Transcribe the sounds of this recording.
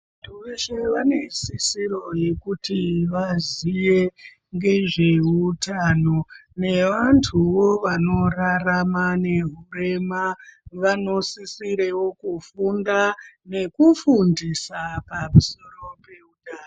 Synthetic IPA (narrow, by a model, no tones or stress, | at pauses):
atʰuʋeʃeʋanesisiɾo̞je̞kutiʋazije̞ | ŋɡe̞ʐe̞utaːno̞ne̞ʋantʰuʋo̞ʋano̞raramane̞ɦure̞maʋano̞sisiɾewo̞kufundane̞kufundisapamuso̞ro̞pe̞utaːno